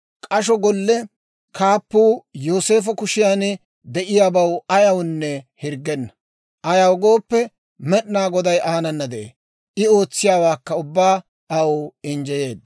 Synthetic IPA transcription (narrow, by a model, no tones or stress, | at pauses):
kʼɐʃ̬ɔɡɔlːɛ | kʰaːpːuːjoːse̞ːfɔkʊʃɪjan | d̪ɛʔɪjaːbɐwɐjɐwnːɛhɪɾɡɛnːɐ | ʔɐjɐwɡo̞ːpːɛ | mɛɗnaːɡɔd̪ɐjʔaːnɐnːɐd̪ɛʔḛː | ʔɪo̞ːt͡sːɪjaːwaːkːɐʊbːaː | ɐwʊɪnd͡ʒɛje̞ːd̪̚